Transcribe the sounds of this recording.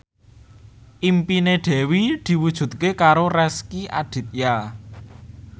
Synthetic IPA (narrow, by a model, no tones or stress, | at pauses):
ʔimpineɖ̪̥ɛ̤wid̪̥i̤wud̥ʒ̥ṳt̪̚kekaɾorɛskiʔaɖ̪̥i̤t̪̚ja